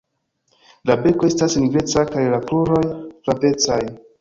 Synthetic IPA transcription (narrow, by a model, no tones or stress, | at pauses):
labe̞ko̞e̞stasniɡɾe̞t͡sakajlapluɾo̞jklave̞t͡saj